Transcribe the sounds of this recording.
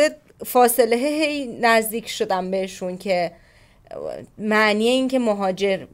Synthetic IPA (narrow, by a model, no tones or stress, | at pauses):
ed̪̚ | fɒːseleɦeɦe̞jnæzd̪iːcʰʃod̪æmbe̞heʃuncʰe̞ | mæʔniːjeiːŋcʰe̞moɦɒːd͡ʒe̞ɾ